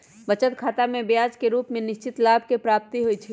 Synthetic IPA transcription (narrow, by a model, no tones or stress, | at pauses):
bət͡ʃət̪kʰaːt̪amẽbjaːd͡ʒkeɾuːpmẽnɪʃt͡ʃɪt̪laːb̚ʱkepɾaːp̚t̪iɦojt͡ʃʰi